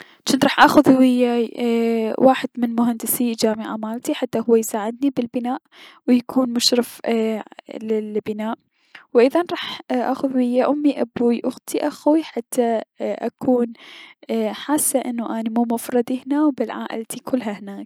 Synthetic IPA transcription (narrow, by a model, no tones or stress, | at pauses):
t͡ʃːɪnt̪ɾˤɑːħʔaːxʊðhwɪjːa | wʔaːħɪd̪mɪnmʊɦand̪ɪsid͡ʒaːmɪʕamaːlt̪iħat̪ːahʊwːajsaːʕɪd̪nibɪlbɪnaːʔwɪjakʰuːnmʊʃɾɪf | lɪlbɪnaːʔ | wʔɪðanɾˤɑːħʔa̰ːxʊðwɪjːaʔʊmːiʔabuːiʔʊɣt̪ʰiʔaxwiħat̪ʰːaʔa̰kʰuːn | ħaːsːaʔɪnːuʔaːnimuːmʊfɾˤɑd̪ihnawbɪlʕa̰ːʔɪ̰lt̪ʰikʰʊlːɦahɪnaːk̚